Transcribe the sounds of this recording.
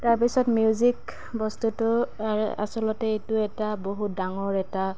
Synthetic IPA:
taɹp̬isɔtmijuzik | bɔstutʊaɹ̰a̰sɔlɔtɛejtʊɛtaboɦut̚daŋɔɹɛta

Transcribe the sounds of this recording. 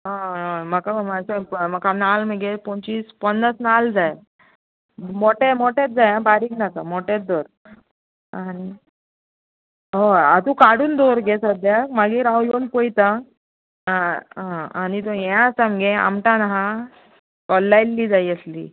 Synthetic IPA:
ɦãmakamaseməkanalmeɡepɔ̃t͡ɕiːspənːəsnald͡zaj | moʈemoʈet̪̚d͡zajãbaɾiːɡnakamɔʈet̪̚d̪oɾ | ani | ɦoa̰t̪ukaɽuːnd̪oɾɡesəd̪jakmaɡiːɾawjonpojt̪ã | ɦãañit̪̬ɔ̃jãsamɡẽa̰mʈãnaɦã | kɔlːajlːiːd͡zaiəslḭ

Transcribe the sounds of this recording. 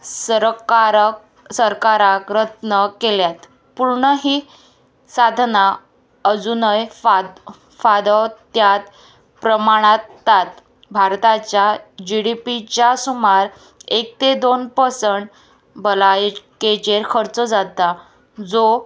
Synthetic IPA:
səɾkaɾk | səɾkaɾakɾət̪nəkeljat̪ | puɾɳəɦiː | sad̪ʱna | əd͡zunəj | fad̪əwt̪jat̪ | pɾəmaɽ̃at̪ːat̪ | bʱaɾt̪at͡ɕjad͡ʑiɽipit͡ɕjasumaɾ | ek̚t̪ed̪onpəsəɳʈ | bəlajket͡ɕeɾkʰəɾt͡səd͡zat̪a | d͡zo

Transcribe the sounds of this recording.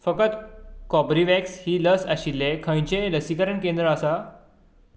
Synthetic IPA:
fəkət̪kɔbɾiʋɛkshiːləsəɕilːekʰə̃j̃t͡ɕẽɾəsikəɾəɳkẽnd̪ɾəːsa

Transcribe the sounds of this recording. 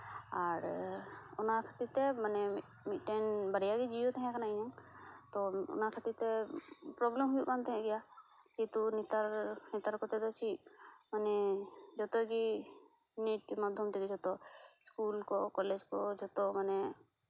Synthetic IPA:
aɾ | ɔnakʰat̪it̪ɛmanɛ | miʈenbəɽjaɡid͡ʒijot̪ɛɦɛ̃kanaiɲaŋ | t̪ɔʊ̰nakʰat̪it̪ɛpɾɔblɛmɦujukant̪ɛɦɛ̃ɡɛjakit̪unit̪aɾnit̪aɾkɔt̪ɛd̪ɔt͡ʃʰimanɛd͡ʒɔt̪ɔki | niʈmad̪ʱjɔmt̪ɛkid͡ʒɔt̪ɔskulkɔkɔled͡ʒkɔd͡ʒɔt̪ɔmanɛ

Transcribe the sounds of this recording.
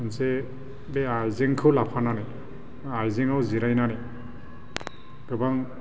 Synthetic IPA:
ɯnse | beajzeŋkʰɯlapʰananɛ | ajzeŋawziɾajnane | ɡ̥ɯbaŋ

